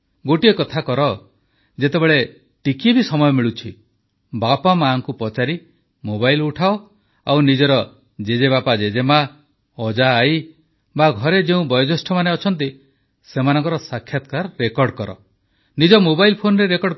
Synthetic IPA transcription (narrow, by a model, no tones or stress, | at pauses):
ɡoʈiekɔt̪ʰakɔɾɔ | d͡ʒet̪ebeɭe | ʈikiebisɔmɔjɔmiɭut͡ʃʰi | bapamaŋkupɔt͡ʃaɾi | mobajluʈʰao | awnid͡ʒɔɾɔ | d͡ʒed͡ʒebapad͡ʒed͡ʒema | ɔd͡ʒaːj | baɡʱɔɾed͡ʒeũbɔjɔd͡ʒɔsʈʰɔmaneɔt͡ʃʰɔnt̪̬i | semanɔ̃ŋkɔɾɔsakʰːjat̪̚kaɾːekɔɾɖkɔɾɔ̰ | nid͡ʒɔmobajlpʰonɔɾeɾekɔɽ